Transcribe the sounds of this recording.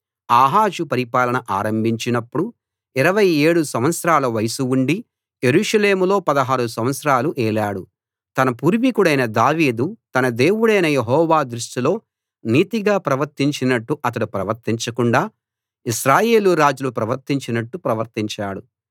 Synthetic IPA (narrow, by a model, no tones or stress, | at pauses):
aːɦaːd͡ʒupɐɾipaːlɐnɐʔaːɾɐmbʱiɲt͡ʃinɐpːuɽu | iɾɐʋɐje̞ːɽusɐmʋɐt̪sɾaːlɐʋɐjɐsuuɳɖi | je̞ɾuːʂɐle̞ːmulo̞ːpɐd̪ɐɦaːɾusɐm̃ʋɐt̪sɾaːluʔɛːlaːɽu | t̪ɐnɐpuːɾʋikuɽɐjnɐd̪aːʋiːd̪ut̪ɐnɐd̪e̞ːwuɽɐjnɐjeɦɔːʋaːd̪ɾuʂʈilo̞ː | niːt̪iɡaːpɾɐʋɐɾt̪iɲt͡ʃinɐʈːuʔɐt̪̬ɐɽupɾɐʋɐɾt̪iɲt͡ʃɐkuɳɖaː | iʃɾaːje̞ːluɾaːd͡ʒulupɾɐʋɐɾt̪iɲt͡ʃinɐʈːupɾɐʋɐɾt̪iɲt͡ʃaːɽu